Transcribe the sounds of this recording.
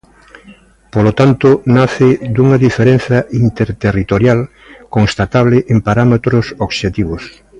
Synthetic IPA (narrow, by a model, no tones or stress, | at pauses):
polot̪ant̪ʊnaθɪd̪uŋaðifeɾen̟θɐʔint̪eɾt̪erit̪oɾjal | koŋst̪at̪aβlɪʔempaɾamet̪ɾosoɣʃet̪iβ̞os